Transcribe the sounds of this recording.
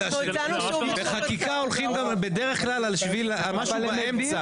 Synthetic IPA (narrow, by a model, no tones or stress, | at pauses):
a | beχakikaolχimɡambed̪eʁeχklalalʃvilalmaʃubaemt͡sa